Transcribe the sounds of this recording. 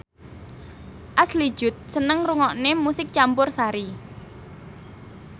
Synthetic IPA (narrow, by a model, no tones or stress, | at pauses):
ʔasli̥ʒ̥ʊ̤t̪̚sənəŋruŋɔʔnemusɪk̚t͡ʃampʊrsaɾi